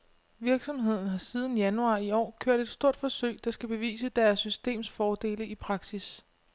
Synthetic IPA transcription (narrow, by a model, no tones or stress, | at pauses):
ʋiɐɡ̥sɒ̽mɦe̝ð̞̰ˠn̩ɦɑ̈sið̞ˠn̩jænuɑ̰̈iɒ̰ːkʰøɐ̰d̥e̝d̥sd̥o̝ɐ̰d̥fɒ̽søɪd̥ɑ̈sɡ̥æb̥e̝ʋḭːsəd̥æɐsːysd̥e̝̰ːmsfɒːd̥e̝̰ːləʔipʰʁɑ̈ɡ̥sis